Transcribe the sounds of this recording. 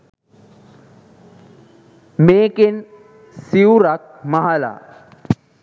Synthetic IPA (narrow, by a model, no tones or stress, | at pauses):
meken | siwɾak̚maɦala̰